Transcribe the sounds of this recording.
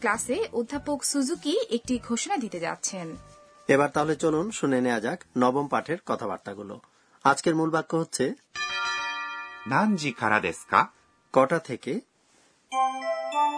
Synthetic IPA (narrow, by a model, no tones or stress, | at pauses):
klaseʔod̪ʱːapokʃud͡ʑukiek̚ʈiɡʱoʃonad̪it̪ed͡ʑa̰tːɕʰen | eβaɾt̪aɦolet͡ɕolonʃunenead͡ʑaknɔbompaʈʰeɾkɔt̪ʰaba̰ɾt̪aɡulo̰ | ad͡ʑkeɾmulbakːoɦotːɕʰe | nãɲd͡ʑikʰaɾad̪eska̰ | kɔʈat̪ʰeke